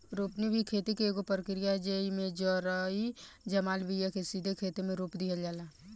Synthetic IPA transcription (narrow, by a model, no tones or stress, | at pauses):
ɾoːpnibʱikʰeːt̪ikeːɡopəɾəkɾijad͡ʒeimẽd͡ʒɔɾaid͡ʒəmaːlbijakesiːd̪ʱekʰeːt̪emẽɾoːpd̪iɦəld͡ʒaːla